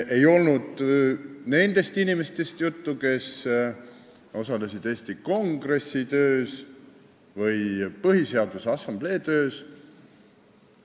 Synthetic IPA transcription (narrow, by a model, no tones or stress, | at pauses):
ʔe̞jo̞lnud̪̥ | ne̞nd̪e̞st̪inimest̪e̞st̪jut̪ːuke̞s | o̞sɑle̞sid̪̥eːsʲt̪iko̞ŋɡre̞sːit̪ø̞ːs | vɤjpɤɦise̞ɑd̪̥usɑsːɑmb̥le̞ːt̪ø̞ːs